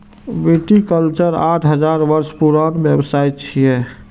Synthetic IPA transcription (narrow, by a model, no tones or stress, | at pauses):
ʋeʈikəlt͡ʃəɾaːʈʰɦəd͡ʒaːɾʋəɾspuɾaːnbjəbsaːit͡ʃʰiɦɛː